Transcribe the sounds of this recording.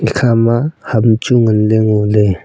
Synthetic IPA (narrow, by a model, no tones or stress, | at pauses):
ikʰamahamt͡ʃuŋənleŋole